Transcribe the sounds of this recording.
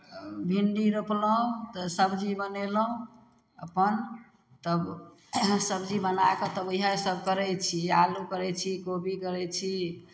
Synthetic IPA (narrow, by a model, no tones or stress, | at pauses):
bʱiɳɖiɾəpləɦũt̪əsəbd͡ʒibəneləɦũ | əpən | t̪əb | səbd͡ʒibənakət̪əbəɦasəb̚ʱkəɾɛt͡ʃʰialukəɾɛt͡ʃʰikobikəɾɛt͡ʃʰi